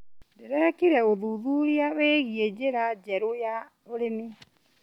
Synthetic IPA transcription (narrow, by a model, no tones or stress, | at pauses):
deɾɛkiɾɛoðuðuɾiaweːɣied͡ʑeɾad͡ʑɛɾoja | oɾene